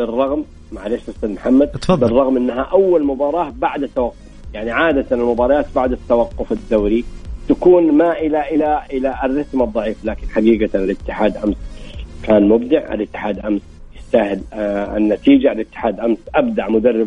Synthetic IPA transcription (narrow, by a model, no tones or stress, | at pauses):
bɪrˤːɑɣmː | aʕaleʃɑsˤilmħamːad̪̚bɪrˤːɑɣmʔɪnːɦaʔawːalmʊbɑːɾˤɑːbaʕd̪at̪ːawɑqːʊfjaʕniʕaːd̪at̪anɪlmʊbɑːɾˤɑjaːt̪baʕd̪at̪ːawɑqːʊfad̪ːawɾit̪akuːnmaʔɪlaʔɪlaʔɪlarːɑsmɑd̪ˤːɑʕiːfalaːkɪnħaɡiːɡaɪlɪt̪ːɪħaːd̪ʔamskaːnmʊbd̪ɪʕɪ̰lɪt̪ːɪ̥ħaːd̪lʔams | jɪst̪ahɪlɪ̰nːat̪iːd͡ʒalɪt̪ːɪ̥ħaːd̪ʔamsʔabd̪aʕmʊd̪arːɪb